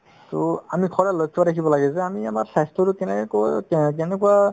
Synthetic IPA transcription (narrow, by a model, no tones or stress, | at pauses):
toamikʰɔɹalɔjkʰːɔbaɾekʰibɔlaɡɛzɛamiamaɹsajstʰɔɾukɛnɛkɔj̰k̬ɛnɛkua